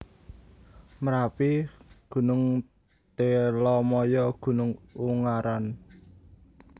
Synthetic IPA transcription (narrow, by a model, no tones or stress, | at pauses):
məɾapiɡ̥ṳnʊŋ | t̪elɔmɔjɔɡ̥ṳnʊŋuŋaɾan